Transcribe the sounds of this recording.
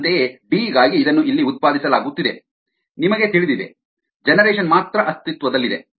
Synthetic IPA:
t̪eebiːɡaːɡiːd̪ɐnːuʔilːiut̪̚paːd̪isɐlaːɡut̪ːid̪e̞ | nimɐɡe̞t̪iɭid̪id̪e̞̰ | d͡ʒɛnɐɾɛːʃ̬ɐnmaːt̪ɾɐʔɐst̪it̪ʋɐd̪ɐlːid̪e̞

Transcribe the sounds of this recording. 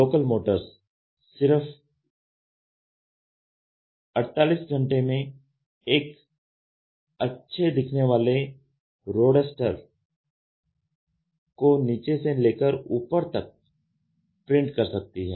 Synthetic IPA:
loːkəlmoːʈəɾs | sɪɾəf | ɐɽt̪aːliːsɡʱə̃ɳʈemẽ | eːk | ɐtːʃʰed̪ɪkʰneʋaːle | ɾoːɽɖəsʈəɾ | koniːt͡ʃeseleːkəɾuːpəɾt̪ɐk̚ | pɾɪ̃ɳʈkɐɾsɐk̚t̪iɦɛː

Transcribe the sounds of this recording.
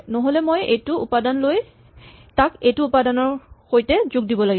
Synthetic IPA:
nɔɦolɛmojejtʊupadanloj | takejtuːpadanɔɹxojtɛzʊɡ̚dibɔlaɡi

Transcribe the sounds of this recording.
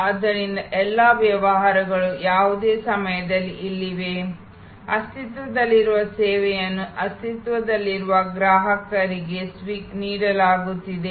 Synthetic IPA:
ɐd̪ɐɾind̪ɐʔɛlːaːʋjɐʋɐɦaːɾɐɡɐɭujaːʋud̪e̞ːsɐmɐjɐd̪ɐlːiʔːlːiʋe̞ | ɐst̪it̪ʋɐd̪ɐlːiɾuʋɐsɛːʋɛjɐnːuʔɐst̪it̪ʋɐd̪ɐlːiɾuʋɐɡɾaːɦɐkɐɾiɡe̞sʋiːkniːɽɐlaːɡut̪ːid̪e̞

